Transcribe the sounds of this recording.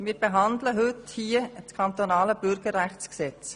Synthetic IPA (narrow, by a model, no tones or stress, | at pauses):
miːɾb̥eɦɑnd̪ləɦɵthiət͡skʰɑnt̪onɑːləb̥ʏɾɡ̥əɾːæχt͡sksɛt͡s